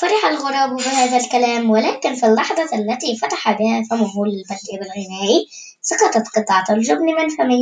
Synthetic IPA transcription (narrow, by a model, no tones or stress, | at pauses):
fɑɾˤɑħalɣʊɾˤɑːbbɪhaːðalkælæːmwɪlæːkɪnfilːɑħd̪ˤɑalːæt̪ifɑt̪aħabɪhæfamʊɦuːlɪlbalibɪlɣɪnæːʔi | sɑqɑt̪ˤɑt̪qɨt̪ˤːɑʕt̪ʊlʒʊbnɪmɪnfamɪn